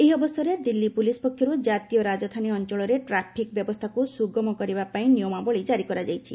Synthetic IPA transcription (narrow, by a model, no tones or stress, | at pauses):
ejɔbɔsɔɾed̪ilːipulispɔkʰːjɔɾud͡ʒat̪ijɔɾad͡ʒɔt̪ʰaniɔnt͡ʃɔɭɔɾeʈɾapʰik̚bjɔbɔst̪ʰakusuɡɔmɔkɔɾibapaĩnijɔmabɔɭid͡ʒaɾikɔɾad͡ʒajt͡ʃʰḭ